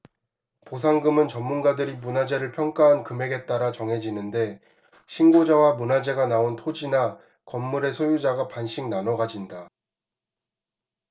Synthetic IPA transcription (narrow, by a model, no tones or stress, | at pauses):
posʰaŋɡɯmɯnt͡ɕʌmːunɡadɯɾimunad͡ʑe̞ɾɯɭpʰjʌŋk͈aɦankɯme̞ɡe̞t̚t͈aɾat͡ɕʌŋɦe̞d͡ʑinɯnde̞ | ɕʰinɡod͡ʑawamunad͡ʑe̞ɡanaontʰod͡ʑina | kʌmːuɾe̞sʰojud͡ʑaɡapanɕʰiŋnanʌɡad͡ʑinda